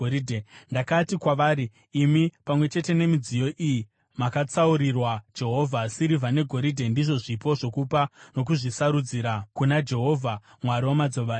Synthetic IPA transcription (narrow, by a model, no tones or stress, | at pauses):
oidʱendakatikwaʋaːɾiː | mipamwe̞t͡ʃe̞te̞ne̞mid͡zijo̞ʔiji | makat͡sauɾirwad͡ʒe̞ɦo̞vʱasiɾivʱane̞ɡʱo̞ɾidʱe̞ndiʐo̞ʐipo̞ʐo̞kupano̞k̬uʐisaɾud͡ziɾakunad͡ʒe̞ɦo̞vʱa | mwaɾiwamad͡zo̞ʋa